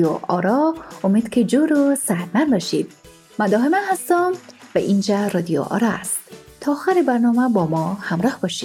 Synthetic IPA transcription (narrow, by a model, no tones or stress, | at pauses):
oʔɒɾɒomed̪̥kʲʰed͡ʒoɾosæhɾmænbɒʃid̪̥ | mæd̪ɒːɦemænhæst̪ɒmvæʔind͡ʒæɾɒːd̪ijo̰ʔɒ̰ɾɒæst̪t̪ʰːɒːxæɾebæɾnɒːmæbɒmɒːhæmɾɒːhbɒːʃiːd̪̥